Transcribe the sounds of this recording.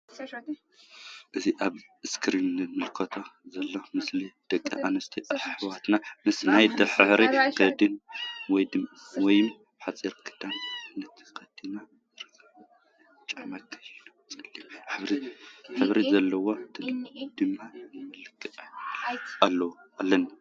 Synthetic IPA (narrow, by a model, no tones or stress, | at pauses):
ʔɨziʔaβ | ɨskʰɾinmɨlkʰot̪ʰozɐlːomɨslid̪̥ɐkʼːḭʔanɐst̪ʰiʔaħħwat̪namɨsnajd̪ɐħɨħɾiɡɐd̪ɨnwɔjd̪ɨm | wɔjɪm | ħat͡sʼiɾkʰɨ̥d̪̥annːɐt̪ʰi̥kɐd̪̥ina | ɾɨkʰːɐ | t͡ʃʼaʕmakʰʼːɐjnut͡sʼɐlːiħɨβɾiħɨβɾizɐlːɐwo̞d̪ɨd̪ɨmːanɨmɨlɨkʰːɨ | alːɐwʔalːɐn